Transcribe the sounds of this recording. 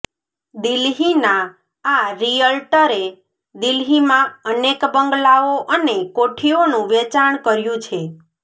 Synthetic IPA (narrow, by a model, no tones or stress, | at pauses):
d̪ilɦinãː | ɾiəlʈəɾe | d̪ilɦimãənekbəŋɡlaoʔənekoʈʰionũʋɛt͡ʃaɳkəɾjũt͡ʃʰe